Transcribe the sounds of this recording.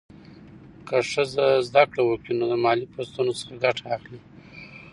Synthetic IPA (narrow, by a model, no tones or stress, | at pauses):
kəʂəzazd̪akɽawəkinod̪əmɑlipost̪unosə̥xaɡaʈʰaːxli